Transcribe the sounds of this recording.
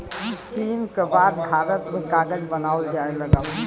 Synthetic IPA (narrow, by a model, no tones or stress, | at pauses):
it͡ʃinkebad̪̚bʱaɾət̪mẽkaɡəd͡ʒbənauld͡ʒaeləɡəl